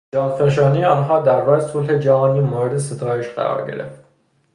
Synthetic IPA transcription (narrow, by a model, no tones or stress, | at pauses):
d͡ʒɒːnpʰeʃɒːnejeɒːnɦɒːd̪æɾːɒːɾesolhe̞d͡ʒæɦɒːniːmoːɾed̪ese̞t̪ʰɒːjeʃɢæ̰ɾɒ̰ːɾɟe̞̰ɾeft̪